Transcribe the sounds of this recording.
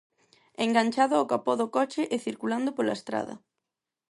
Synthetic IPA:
eŋɡanʲt͡ʃaðʊawkapɔðokɔt͡ʃɪʔeθiɾkuland̪ʊpolaest̪ɾa̰ðɐ̰

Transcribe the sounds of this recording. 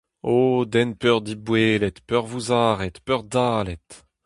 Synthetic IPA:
oːd̪ɛnpœʁd̪ibweːlɛt̪pœʁvuzaːʁɛt̪pœʁd̪aːlɛt̪

